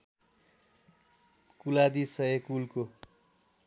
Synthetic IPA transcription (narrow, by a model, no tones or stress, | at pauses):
kulad̪isʌekulko